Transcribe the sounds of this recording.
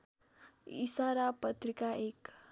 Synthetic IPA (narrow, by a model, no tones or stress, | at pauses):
ḭsaɾapət̪ɾikaʔek